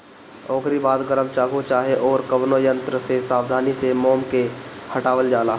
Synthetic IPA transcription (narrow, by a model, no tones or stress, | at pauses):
ɔːɡɾibaːd̪ɡəɾəmt͡ʃaːɡot͡ʃaːɦeʔɔːɾkəʋnojə̃nt̪ɾəsesaːʋd̪ʱaːnisemoːmkehəʈaːʋəld͡ʒaːlaː